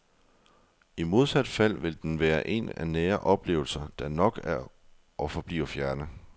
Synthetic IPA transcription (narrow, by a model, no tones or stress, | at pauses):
imo̝ð̞ˠsæd̥fæl̰ʋe̝ld̥enʋæːɐʔe̝̰næ̰neːɐʔɒ̽b̥le̝̰ːʊl̩sɐd̥ænɒ̽ɡ̥æɐ | ʔɒ̽fɒ̽b̥lḭːʊɐfjæɐnə